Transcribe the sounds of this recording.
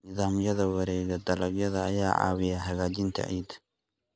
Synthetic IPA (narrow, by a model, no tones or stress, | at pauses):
nɪðaːmjɐðɐwɑɾɛːɣɐd̪ɐlɐɡjɐðɐːjaːʕɑ̰ːwɪjaɦɐɣaːt͡ʃɪnt̪ʰɐ̰ʕḭːd̪